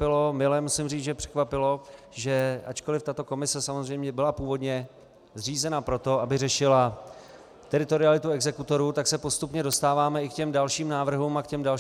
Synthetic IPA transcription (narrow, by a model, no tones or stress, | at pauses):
pɪlo̞mɪlɛmusɪmriːt͡sʒɛpr̥ɛ̥kvapɪlo̞ | ʒɛʔat͡ʃko̞lɪft̪at̪o̞ko̞mɪsɛsamozr̝ɛjmɲɛbɪlapuːvo̞dɲɛ | zr̝iːzɛnapɾo̞t̪o̞ʔabɪrɛʃɪla | t̪ɛɾɪt̪o̞ɾɪalɪt̪uɛɡzɛkut̪o̞ɾuːt̪aksɛpo̞st̪upɲɛdo̞st̪aːvaːmɛɪkcɛmdalʃiːmnaːvr̩ɦuːmakcɛmdal